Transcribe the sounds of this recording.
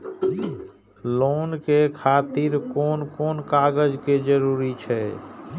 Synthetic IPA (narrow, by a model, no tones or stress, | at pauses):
loːnkekʰaːt̪ɪɾkoːnkoːnkaːɡəd͡ʒked͡ʒəɾuːɾit͡ʃʰɛ